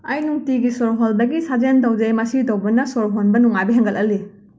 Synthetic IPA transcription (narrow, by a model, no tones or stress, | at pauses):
ɐjnuŋtiɡisoɾɦoldɐɡisad͡ʒent̬ɐwd͡ʒejmɐsitowbɐnɐsoɾɦonbɐnuŋabiɦɐŋɡɐlʔɐli